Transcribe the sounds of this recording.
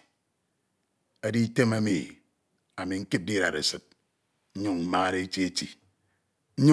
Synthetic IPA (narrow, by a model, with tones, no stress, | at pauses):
a˦di˦te˦ma˦mḭ˨ | a˨mi˨ŋ̩˦ki˦p̚di˦ɾa̰˨ɾḛ˨sɨ˨t̚ | n̩˦ɲu˦˨ŋm̩˦maː˦ɾe˦e˦t͡ʃi˦e˦tḭ˨˦ | ɲ˦